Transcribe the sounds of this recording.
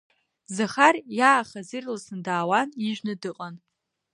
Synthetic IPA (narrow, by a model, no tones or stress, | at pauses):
zaχarjaːχazirlasɨndaːwaniʒʷᶣnɨdɨqʼan